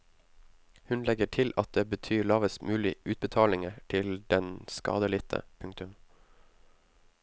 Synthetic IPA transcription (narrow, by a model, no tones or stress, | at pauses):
hʉnlɛɡəʈʰɪlʔɑt̪̚d̪eːbət̪ʰyːɭɑːʋəsmʉːlɪʉːt̪̚bət̪ʰɑːlɪŋəʈʰɪld̪̥ɛnskɑ̰ːd̪əlɪt̪ʰə̰pʰʉŋkt̪ʉm